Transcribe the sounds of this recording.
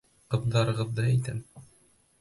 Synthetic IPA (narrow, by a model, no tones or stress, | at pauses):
qɤ̆ðd̪ɑɾɤ̆ʁɤ̆ðːɤæjt̪æm